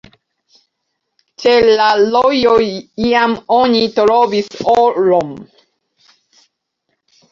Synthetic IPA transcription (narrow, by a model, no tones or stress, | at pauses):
t͡ʃelalojojiamoɲit̪oɾobisoɾom